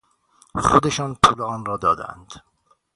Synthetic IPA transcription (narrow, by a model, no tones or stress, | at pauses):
χod̪eʃɒːnp̪ʰuːleɒːnrɒːd̪ɒːd̪æ̰nd̪̥